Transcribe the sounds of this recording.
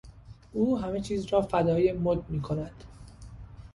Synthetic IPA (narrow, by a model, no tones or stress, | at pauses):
ʔuːɦæme̞t͡ʃʰiːzɾɒːfæd̪ɒːje̞mod̪̚miːkʰo̞næd̪̥